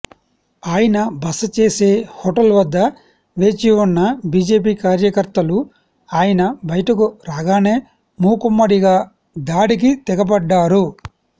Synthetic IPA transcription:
aːjɐnɐbɐsɐt͡ʃe̞ːse̞ːhoːʈɐlʋɐd̪ːɐ | ʋe̞ːt͡ʃiunːɐbiːd͡ʒe̞ːp̬iːkaːɾjɐkɐɾt̪ɐlu | aːjɐnɐbɐjɐʈɐk̬uɾaːɡaːne̞ː | muːkumːɐɽiɡaː | d̪aːɽik̬it̪ɛɡɐpɐɖːaːɾu

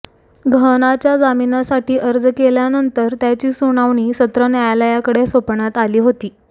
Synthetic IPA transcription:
ɡʱənat͡ɕjad͡zaminasaʈiːʔəɾd͡zkeljanənt̪əɾt̪jat͡ɕiːsuɽ̃aʋɳ̃iːsət̪ɾənjajaləjakəɽesopɳat̪aliːɦot̪iː

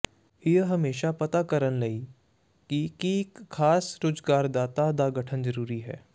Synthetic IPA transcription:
ɪjəɦɐmeːʃapɐt̪akɐɾənlɐi | kikikkʰːaːsɾoːd͡ʒɡaːɾd̪aːt̪ad̪aɡɐʈʰənzɐɾuːɾiɦɛ̰ː

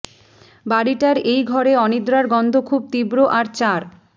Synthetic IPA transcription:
baɽiʈaɾejɡʱɔɾeɔnid̪ɾaɾɡɔnd̪ʱokʰub̚t̪ibɾoʔaɾt͡ɕaɾ

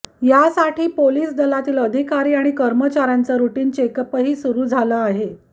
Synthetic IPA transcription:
jasaʈʰiːpoliːsd̪əlat̪iːləd̪ʱikaɾiːaɽ̃ikəɾmət͡ɕaɾant͡səɾuʈiːnt͡ɕekəpɦiːsuɾuːd͡zʱaləaɦe

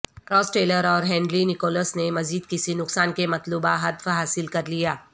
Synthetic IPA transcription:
kɾɔːsʈeːləɾɔːɾɦɛ̃ːɳɖɾinɪkoːləsnemɐziːd̪kɪsinʊqsaːnkemɐt̪luːbaɦɐd̪fɦaːsɪlkɐɾlijaː

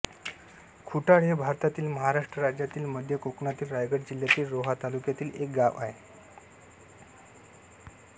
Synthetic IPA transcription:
kʰuʈaɭɦebʱaɾt̪at̪iːlməɦaɾaʂʈɾəɾad͡ʑjat̪iːlməd̪ʱjəkokɳat̪iːlɾajɡəɾd͡ʑiljat̪iːlɾoɦat̪alukjat̪iːlek̚ɡaʋaɦe

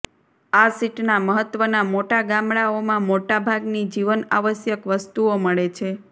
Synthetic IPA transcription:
asiʈnaməɦət̪ʋənamoʈaɡamɭaomãmoʈabʱaɡnid͡ʒiʋənaʋəsjəkʋəst̪uoməɭet͡ʃʰe

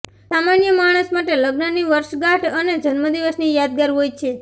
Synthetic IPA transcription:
samanjəmaɽ̃əsmaʈeləɡnəniʋəɾʃɡaʈʰəned͡ʒənməd̪iʋəsnijad̪̚ɡaɾɦojt͡ʃʰe

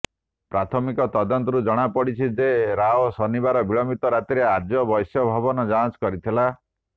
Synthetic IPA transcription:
pɾat̪ʰɔmikɔt̪ɔd̪ɔnt̪ɔɾud͡ʒɔɽ̃apɔɽit͡ʃʰid͡ʒeɾaɔsɔnibaɾɔbiɭɔmit̪ɔɾat̪iɾeaɾd͡ʒjɔbɔjsjɔbʱabɔnɔd͡ʒat͡ʃkɔɾit̪ʰila

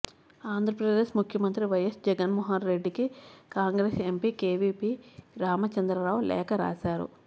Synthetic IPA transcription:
aːnd̪ʱɾɐpɾɐd̪eːʃmukʰjɐmɐnt̪ɾiʋɐjɐsd͡ʒɛɡɐnmɔɦɐnɾe̞ɖːikikaːŋɡɾeːsempikeːʋiːpiɾaːmɐt͡ʃɐnd̪ɾɐɾaːwlɛ̰ːkɐɾa̰ːʃaːɾṵ

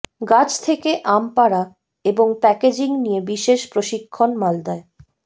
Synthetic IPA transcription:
ɡat͡ɕʰt̪ʰekeʔampaɽa | eboŋpɛked͡ʑiŋnijebiʃeʃpɾoʃikʰːonmald̪ae

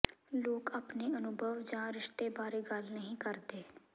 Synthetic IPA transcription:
loːkaːpneːənʊbʱəʋd͡ʒãːɾɪʃt̪eːbaːɾeːɡəlnəɦĩːkəɾd̪eː

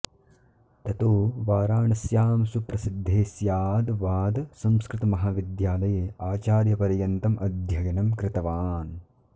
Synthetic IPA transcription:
t̪ɐt̪oːʋaːɾaːɳɐsjaːmsupɾɐsid̪ʱːeːsjaːd̪ʋaːd̪sɐ̃mskɾɪt̪ɐmɐɦaːʋid̪jaːlɐjeːaːt͡ʃaːɾjɐpɐɾjɐnt̪ɐmʔɐd̪ʱjɐɡɐnɐmkɾɪt̪ɐʋaːn

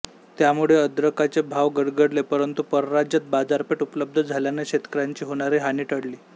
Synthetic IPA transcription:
t̪jamuɭeəd̪ɾəkat͡sebʱaʋɡəɽɡəɽlepəɾənt̪upəɾɾad͡ʑjət̪̚bad͡zaɾpeʈupləb̚d̪ʱəd͡zʱaljaneɕet̪kəɾaɲt͡ɕiːɦoɽ̃aɾeɦañiːʈəɽliː

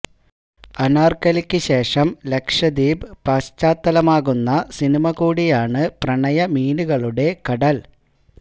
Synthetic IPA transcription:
ɐnaːrkɐlikʲːɨɕe̞ːʂɐmlekʂɐd̪iːbpaːst͡ɕaːt̪ːɐlɐmaːɣunːɐsinimɐɣuːɽijaːɳɨprɐɳɐjɐmiːnuɣɐɭuɽe̞kɐɽɐl

